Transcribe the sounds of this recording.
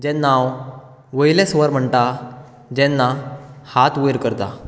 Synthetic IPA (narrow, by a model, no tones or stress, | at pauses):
d͡ʑɛ̃nːaw | ʋəjlɛsʋəɾm̤əɳt̪a | d͡ʑɛ̃nːahat̪ujɾkəɾt̪a